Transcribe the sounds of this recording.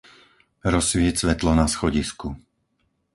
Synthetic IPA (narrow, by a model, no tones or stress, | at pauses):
ɾɔsʋɪɛcsʋɛt̪lɔnasxɔɟisku